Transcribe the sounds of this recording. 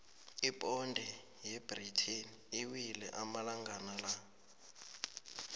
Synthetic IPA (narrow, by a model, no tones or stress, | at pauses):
ipʼɔndʱɛ | jɛbritʰiniiwilɛ̰ʔamalaŋɡanala